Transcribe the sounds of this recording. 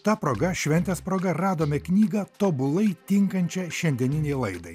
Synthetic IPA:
t̪ɐpɾoːɡɐʃʲʋʲɛnʲt̪ʲeːspɾoːɡɐɾɑːd̪oːmʲɛknʲiːɡɐt̪oːbʊlˠɐɪt̪ʲɪŋkɐnʲt͡ʃʲɛʃʲɛnʲd̪ʲiɛnʲɪnʲɛɪlˠɐɪd̪ɐɪ

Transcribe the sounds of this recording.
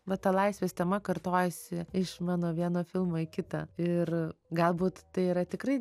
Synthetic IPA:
ʋɐt̪ɐlˠɐɪsʲʋʲeːst̪ʲɛmɐkɐrt̪oːjɛsʲɪɪʃmɑːnoːʋʲiɛnoːfʲɪlˠmoːɪkʲɪt̪ɑ̰ːɪrɡɐlˠbuːt̪t̪ɐɪiːɾɐt̪ʲɪkrɐɪ

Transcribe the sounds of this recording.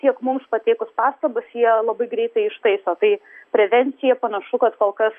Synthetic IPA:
t̪ʲiɛkmʊmspɐt̪ʲeːkʊspɑːst̪ɐbɐsjiɛlˠɐbɐɪɡɾʲɛɪt̪ɐɪɪʃt̪ɐɪsoːt̪ɐɪpʲɾʲɛʋʲɛnʲt̪sʲɪjɛpɐnɐʃʊkɐt̪koːlˠkɐs

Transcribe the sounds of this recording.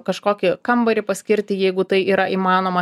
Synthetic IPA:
kɐʃkoːkʲɪkɐmbɐɾʲɪpɐsʲkʲɪɾʲt̪ʲɪjɛɪɡʊt̪ɐɪʔiːɾɐʔiːmɑːnoːmɐ

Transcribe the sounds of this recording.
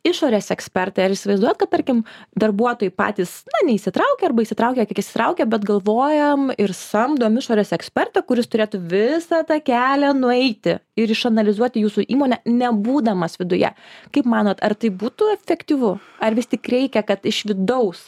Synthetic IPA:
ɪʃoːɾʲeːsɛksʲpʲɛrt̪ɐɪɐɾɪsʲɪʋɐɪzd̪uɔjɛt̪kɐt̪t̪ːɐɾʲkʲɪmd̪ɐrbuɔt̪oːjɪpɑ̰ːt̪ʲiːsnɐnʲɛɪiʃʲsʲɪt̪ɾɐʊkʲɛɐrbɐɪiʃsʲɪt̪ɾɐʊkʲɛkʲiɛkiʃsʲɪ̥t̪ɾɐʊkʲɛbʲɛt̪ɡɐlˠʋoːjɛmɪɾsɐmd̪oːmɪʃoːɾʲeːsɛksʲpʲɛrt̪ɐkʊɾʲɪst̪ʊɾʲeːt̪uʋʲɪsɑt̪ɑkʲæːlʲɛnʊɛɪt̪ʲɪɪɾɪʃɐnɐlʲɪzuɔt̪ʲɪjuːsuʔiːmoːnʲɛnʲɛbuːd̪ɐmɐsʋʲɪd̪ʊjɛ̰kɐɪpmɑːnoːt̪ɐrt̪ɐɪbuːt̪ʊɛfʲɛkt̪ʲiːʋʊ | ɐɾʋʲɪst̪ʲɪkɾʲɛɪkʲɛkɐt̪ɪʃʋʲɪd̪ɐʊs

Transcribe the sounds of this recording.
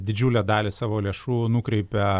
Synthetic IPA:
d̪ʲɪd͡ʒʲuːlʲɛd̪ɑːlʲɪsɑːʋoːlʲeɛʃuːnʊkɾʲɛɪpʲɛ

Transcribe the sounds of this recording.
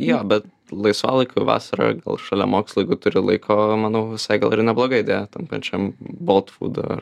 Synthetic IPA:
joːbʲɛt̪̚ | lˠɐɪsʋɑ̰lˠɐɪkoʋɑ̰ːsɐɾo̰ːɡɐ̰lˠʃɑːlʲɛ̰moːkslˠʊɛɡʊt̪ʊɾʲɪlˠɐɪkʰoːmɐnɐʊʋʲɪsɐɪɡɐlˠɪɾnʲɛblˠoːɡɐɪɪd̪ʲeːjɛt̪ɐmpɐ̰t͡ʃʲɛmbolˠt̪fṵːd̪o̰ɐ̰r

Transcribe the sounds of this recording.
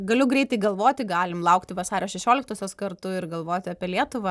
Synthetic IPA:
ɡɐlʲʊɡɾʲɛɪt̪ɐɪɡɐlˠʋoːt̪ʲɪɡɑːlʲɪmlˠɐʊkt̪ʲɪʋɐsɑːɾʲoːʃʲɛʃʲoːlʲɪk̚t̪oːsʲoːskɐrt̪ʊɪrɡɐlˠʋoːt̪ʲɪɐpʲiɛlʲiɛt̪ʊʋɐ

